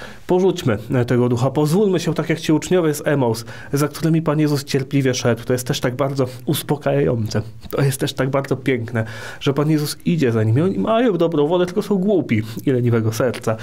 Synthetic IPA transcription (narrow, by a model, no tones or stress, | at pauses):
pɔʐut͡ɕmɘt̪ɛɡɔd̪uxapɔzvulmɘɕɛt̪akjakt͡ɕiut͡ʂɲɔvʲɛsɛmɔws | zak̚t̪uɾɘmʲipanjɛzust͡ɕɛɾpʲlʲivʲjɛʂɛd̪wt̪ɔjɛst̪ːɛʂt̪aɡ̚baɾd̪zɔuspɔkajajɔ̰nt̪sɛ | t̪ɔjɛst̪ːɛʂt̪aɡbaɾd̪zɔpʲjɛŋknɛʐ̥ɛpanjɛzusid͡ʑɛzaɲimʲiɔɲimʔajɔ̃w̃d̪ɔbɾɔ̃w̃vɔd̪ɛt̪ɘlkɔsɔ̃w̃ɡwupʲiilɛɲivɛɡɔsɛɾt̪sa